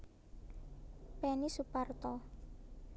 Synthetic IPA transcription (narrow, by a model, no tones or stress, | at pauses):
pɛnisupart̪ɔ